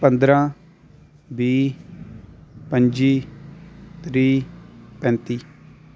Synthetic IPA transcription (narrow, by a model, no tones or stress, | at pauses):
pə̃nd̪ɾãː | biː | pə̃ɲd͡ʒiː | t̪ɾiːpɛ̃ːnt̪iː